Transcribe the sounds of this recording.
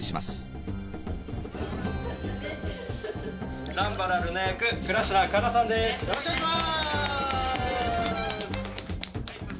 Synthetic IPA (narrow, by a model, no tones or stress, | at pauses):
ɕima̰sɨ̥ | nãmbaɾaɾɯnajakɯ̟kɯ̟ɾaɕinakaɾasãnd̪e̞s